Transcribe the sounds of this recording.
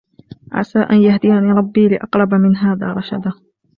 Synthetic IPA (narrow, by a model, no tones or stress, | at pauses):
ʕa̰saːʔanjahd̪ɪjaniːɾˤɑbːiːlɪʔɑqɾˤɑbmɪnɦaːðaːɾˤɑʃad̪a